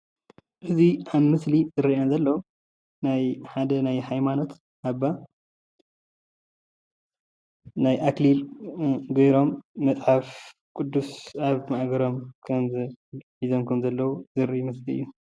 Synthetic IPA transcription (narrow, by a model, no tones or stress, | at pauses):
ʔɨziʔaβmɨslizɨɾiazɐlːɐw | najħad̪ɐnajhajmano̞t̪ | ʔaβːa | najʔaklil | ɡejɾo̞mːɐt͡sʼħaf | kʼud̪ːusaβmaʔɡɐɾo̞mkʰɐmzɨʕizomkʰɐmzɐlːɐwuzɨɾijmɨsliɨjːu